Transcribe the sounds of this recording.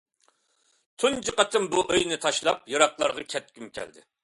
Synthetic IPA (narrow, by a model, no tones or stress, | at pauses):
t̪ʰund͡ʒɨqɑt̪ʰɪmbuʔøjnɪt̪ʰɑʃlˠɑp̚jɨɾɑqlˠɑɾʁɑkʲʰɛt̪̚kʲymkʲʰɛ̰ld̪ɪ̰